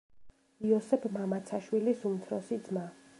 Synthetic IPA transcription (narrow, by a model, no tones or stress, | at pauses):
iɔsɛpʰmamat̪sʰaʃwilisumt̪ʰɾɔsid̪zma